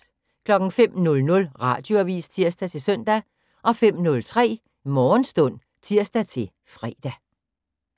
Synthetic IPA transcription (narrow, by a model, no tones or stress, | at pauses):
kʰlɒ̽ɡ̥ŋ̩fem̰nɔ̽lnɔ̽lʁɑ̈ːd̥jo̝æʋḭːst͡sʰiɐ̰sd̥æt͡sʰe̝sœn̰d̥æ | ʔɒ̽fem̰nɔ̽lt͡sʰʁɛ̰ː | mɒːnsd̥ɔ̽n̰ | t͡sʰiɐ̰sd̥æt͡sʰe̝l | fʁɛːd̥æ